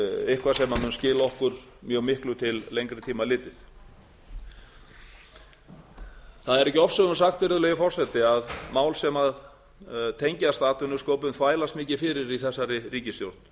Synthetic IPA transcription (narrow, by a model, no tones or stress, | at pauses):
ɪhkvasɛmamʏnscɪːlaɔhkʏɾ̥ | mjœːɣmɪhklʏt̪ʰɪlːejŋkɾɪt̪ʰiːmalɪːt̪ɪθ | θaðɛɾɛhcɪɔfsɛɣʏnʏsaxt̪vɪɾðʏlɛjɣɪfɔr̥sɛt̪ɪaðmaːwlsɛmað | t̪ʰejɲcast̪aːt̪ʏnʏskoːwpʏmθvaːjlast̪mɪːcɪfɪɾɪɾiθɛsːaɾɪriːcɪst̪jowɾ̥t̪n